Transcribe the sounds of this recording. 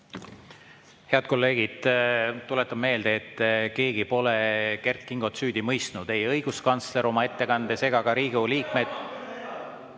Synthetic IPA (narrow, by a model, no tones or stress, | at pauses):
he̞ɑd̪̚ko̞lːe̞ːɡ̥id̪̥t̪ːulet̪ːˑɑb̥̚me̞ːld̪e̞ːt̪ːke̞ːɡipo̞leke̞rt̪̚kiŋɡ̥o̞t̪syːd̪̥imɤjst̪nud̪̥e̞jɤjɡ̥uskɑnt̪sle̞ɾo̞mɑe̞t̪ːe̞kɑnd̪̥ese̞ɡ̥ɑɡɑɾiːɡ̥uliːkme̞d̪̥̚